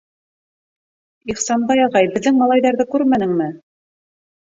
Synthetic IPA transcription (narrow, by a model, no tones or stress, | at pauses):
iχsɑnbɑjɑʁɑjbɘ̆ðːɘŋmɑlˠɑjðɑɾðɤkʉɾmænɘ̆ŋmɘ